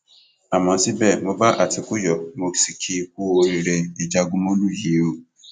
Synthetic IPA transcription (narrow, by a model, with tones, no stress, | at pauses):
a˨mɔ̃˨˦si˦bɛ˦˨mõ˦ba˦ʔa˨ti˨ku˦jɔ˨mo˧˦si˨kʰi˦ku˦o˧ɾi˧ɾɛ˧i˨d͡ʒa˧ɡũ˦mɔ̃˦lu˦je˨˦o˦˨